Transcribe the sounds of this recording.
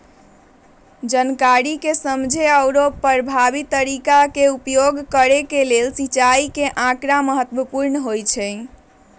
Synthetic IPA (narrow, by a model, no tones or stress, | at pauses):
d͡ʒənkaɾikesəmd͡ʒʱeəwɾopəɾbʱabit̪ːəɾikakeupjoɡkəɾekelelsit͡ʃaikeʔãkɾaməɦət̪ʋəpuɾnəɦojt͡ʃʰɛ